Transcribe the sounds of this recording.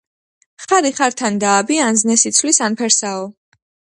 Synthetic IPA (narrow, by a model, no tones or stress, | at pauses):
χaɾiχaɾt̪ʰand̪aːbianznɛsit̪sʰwlisanpʰɛɾsaɔ